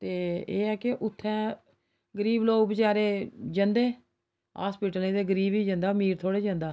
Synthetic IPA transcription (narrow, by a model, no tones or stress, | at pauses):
t̪eːeːɛːkɪʔʊt̪ʰːɛ̃ː | ɡəɾiːbloːɡbɪt͡ʃaːɾeːd͡ʒənd̪eː | ɦa̰ːspiːʈəlẽːd̪eːɡəɾiːbiːd͡ʒə̃nd̪aːmiːɾt̪ʰoːɽeːd͡ʒə̃nd̪aː